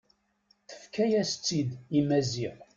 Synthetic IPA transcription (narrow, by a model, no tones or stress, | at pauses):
θə̥fkæjæst͡sːid̪imæziħ